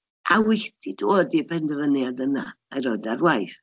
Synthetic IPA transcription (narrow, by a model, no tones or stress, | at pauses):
ʔawɪdidoːdibɛndəvənjadəna̰aɾɔdarwajθ